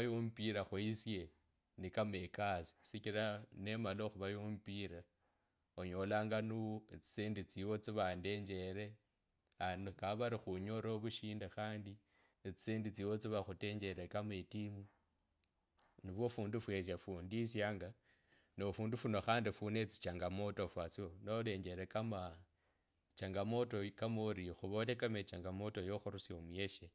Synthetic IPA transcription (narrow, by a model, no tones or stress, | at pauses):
jumpiɾaxwuisje̞ | nikamekasi̥sikiɾane̞maloxuβajumpiɾa | oɲo̞laːŋɡanuet͡si̥seːndit͡siwo̞t͡siβande̞ːɲd͡ʒe̞ɾe̞ | ankaβaɾixuɲoɾoβuʃiːndaxaːndi | t͡si̥siːndit͡siwot͡siβaxute̞ɲd͡ʒe̞ɾekametimu | niβwo̞fuːndufwes̬jafuːndisjaːŋɡa | nofuːndufunoxaːndifunet͡si̥t͡ʃaŋɡamo̞tofwat͡sionole̞ɲd͡ʒe̞ɾekama | t͡ʃaŋɡamo̞to̞kamoɾixuβolekamet͡ʃaŋɡamo̞to̞joxuɾusjomwje̞ʃe